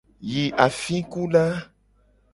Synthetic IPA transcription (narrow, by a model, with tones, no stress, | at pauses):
ji˨ʔa˨fĩ˦ku˦ɖa˦